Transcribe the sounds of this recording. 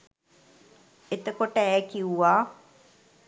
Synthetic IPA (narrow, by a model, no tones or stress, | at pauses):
et̪əkoʈəɛːkiuʋaː